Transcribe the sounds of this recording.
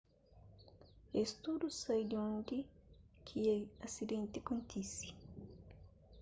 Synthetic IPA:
est̪ud̪usajd̪iõnd̪ikʰieasid̪ẽnt̪ikunt̪isi̥

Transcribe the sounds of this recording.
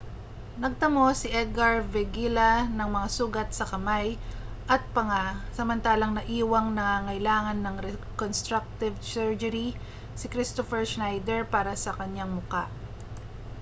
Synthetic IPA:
nɐɡ̚t̪ɐmo̞sɪʔɛd̪̚ɡɐɹvɛɡilɐnɐŋmɐŋasuːɡɐt̪̚sɐkɐmaj | ʔɐt̪̚pɐŋasɐmɐnt̪aːlɐŋnɐʔiːwɐŋnɐŋaŋɐjlaːŋɐnːɐŋɾɛkonst̪ɾak̚t̪ɪvsɛɹd͡ʒɐɾi | sɪkɾɪst̪ofɛɹsnajd̪ɛɹpaːɾɐsɐkɐɲːaŋmʊkaʔ

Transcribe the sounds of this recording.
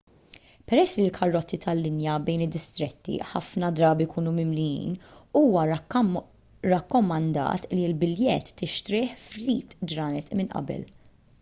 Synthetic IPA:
pɛɾɛsːlilkʰɐrːɔt̪ːit̪ɐlːɪnjɐbɛjnɪd̪ːɪst̪ɾɛt̪ːḭħɐfnɐd̪ɾɐːbijkuːnumɪmlɪjḭːnuːwɐ | ɾɐkːɔmɐnd̪ɐ̰ːt̪lilbɪljɛt̪ːɪʃt̪ɾɪːħfɾiːt̪d͡ʒɾɐːnɛt̪mɪnʔɐ̰bɛ̰l

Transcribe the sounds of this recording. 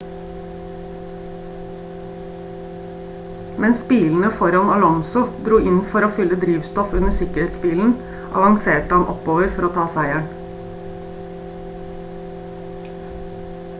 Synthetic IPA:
mɛnspiːln̩əfɔɾɑnɑlɔnsʊd̪ɾuːʔɪnfɔɾoːfʏləd̪ɾiːʋst̪ɔfʉnəsɪkəɾeːt̪sbiːln̩ | ʔɑ̰ʋɑŋseːʈəhɑnʔɔ̰poːʋəɾfɔɾoːt̪ʰɑːsæɪæɳ

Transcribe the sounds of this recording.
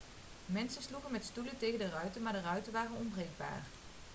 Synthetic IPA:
mɛnsənsluχənmɛtstuləntejɣəndərœɥtənmaːɹdərœɥtəʋaːrənɔmbrejɡ̚ba̰ːr

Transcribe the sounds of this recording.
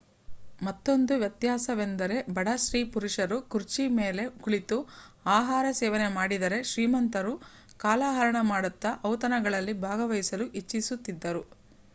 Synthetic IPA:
mɐt̪ːo̞nd̪uʋjɐt̪jaːsɐʋe̞nd̪ɐɾe̞bɐɽɐʃɾiːpuɾuʂɐɾukuɾt͡ʃime̞ːle̞kuɭit̪u | aːɦaːɾɐsɛːʋɐne̞maːɽid̪ɐɾe̞ʃɾiːmɐnt̪ɐɾu | kaːlaːɦɐɾɐɳɐmaːɽut̪ːɐʔɐwt̪ɐnɐɡɐɭɐlːibʱaːɡɐʋɐjisɐluʔit͡ʃːisut̪ːid̪ːɐɾu

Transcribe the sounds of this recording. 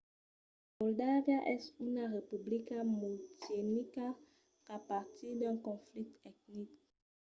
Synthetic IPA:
mɔldavjaʔɛsynaʁepyblikamutenika | apaʁt̪ʰid̪ɛ̃nkɔ̃flit̪ɛk̚nik

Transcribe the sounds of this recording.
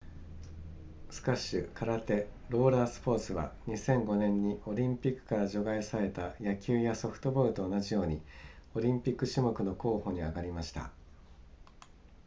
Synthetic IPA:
sɨ̥kaɕɯkʰaɾat̪e̞ | ɾo̞ːɾaːsɨ̥po̞ːt͡sɨβa̰ɲ̟isẽ̞ŋɡo̞nẽ̞ɲ̟ːio̞ɾʲĩmpʲikːɯ̥kaɾaʑo̞ɡaisaɾe̞t̪ajakʲɨːjaso̞ɸɯ̟̥t̪o̞bo̞ɾɯ̟t̪o̞ːnaʑijo̞ːɲ̟io̞ɾʲĩmpʲikːɯ̟ɕimo̞kɯ̟no̞ko̞ːho̞ɲ̟iaɡaɾʲimaɕi̥t̪a̰

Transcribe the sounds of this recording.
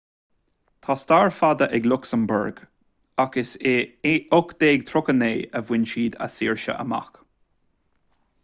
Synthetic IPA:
t̪ʰaːst̪aːɹfad̪əʔɛɡlʊksəmbə̰ɹɡ | akəseːʊkd̪̥eːɡ̚t̪ʰɾʊkəneːəvwɪnʃiːd̪a̰siːɹʃə̰ʔə̰ma̰k

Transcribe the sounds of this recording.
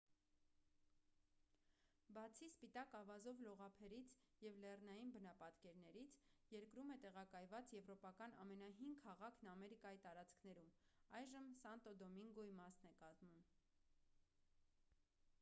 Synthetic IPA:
bɑt͡sʰispit̪ɑkɑvɑzɔvlɔʁɑpʰɛɾit͡sʰ | jɛvlɛrnɑjinbənɑpɑt̪kɛɾnɛɾit͡sʰjɛɾkɾumɛt̪ɛʁɑkɑjvɑt͡sjɛvɾɔpɑkɑnɑ̰mɛnɑɦiŋɡʰɑʁɑkʰnɑmɛɾikɑjit̪ɑɾɑt͡skʰnɛɾumɑjʒəmsɑnt̪ɔd̪ɔmiŋɡɔimɑsnɛkɑt̪mum

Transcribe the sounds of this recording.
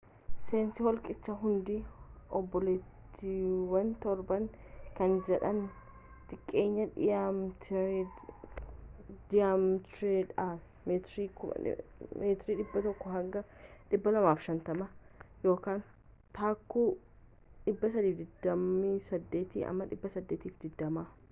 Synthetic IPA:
se̞ːnsɪhɔlkʼɪt͡ʃːɐɦʊnd̪iɔbːɔlɛt̪ːiwɐnt̪ɔɾbɐŋ | kɐnd͡ʒɛᶑɐn | t̪ɪkʼːe̞ːɲːɐᶑɪjamt̪ | d̪ɪjaːmt̪ɾeᶑa | met̪ɾiːkʊɐ̰meːt̪ɾiːᶑɪbːɐt̪ɔkːɔɦɐɡɐᶑɪbːɐlɐmaːfʃɐnt̪ɐmɐjo̞ːkaːn | t̪aːkːuː | ᶑɪbːɐs̬ɐd̪iːfd̪ɪd̪ːɐmisɐd̪ːe̞ːt̪ḭːʔɐ̰mːɐᶑɪbːɐsɐd̪ːeːt̪iːfd̪ɪd̪ːɐma

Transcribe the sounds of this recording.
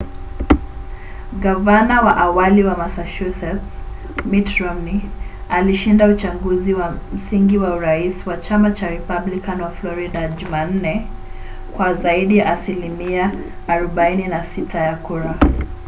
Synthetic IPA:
ɠavanawaʔawaliwamasaʃusɛt | mitɾɔmialiʃindaut͡ʃaŋɡuziwam̩siŋɡiwauɾaiswat͡ʃamat͡ʃaɾɛpablikanwaflɔɾiɗaʄuman̩nɛ | kwazaiɗijaʔːsilimiaː | ɾɔɓaininasitʰajakuɾa

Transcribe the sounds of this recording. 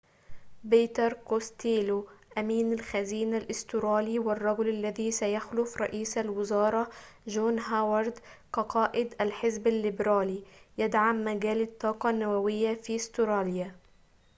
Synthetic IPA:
biːt̪ɑɾˤkost̪iːloʔamiːnalxaziːnalʔɪst̪ʊɾɑːliwɪrˤːɑɡʊlalːaðisajaxlʊfɾˤɑ̰ʔiːsalwɪzɑːɾˤɑ | ʒoːnɦaːwɑɾˤd̪qɑqɑːʔɪd̪ʔalħɪzbalːɪbɾaːlijad̪ʕamːaɡaːlɪt̪ˤːɑːqɑnːawawɪjːafiːst̪ʊɾɑːlja

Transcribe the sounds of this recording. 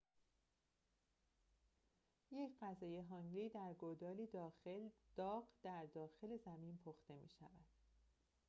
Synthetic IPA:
jecʰɢæzɒːjeɦɒːŋɡliːd̪æɾɡod̪ɒːlid̪eld̪̥ɒːɢd̪̥æɾd̪ɒːxe̞le̞zæmiːnpʰoxt̪e̞mḭːʃævæd̪̥

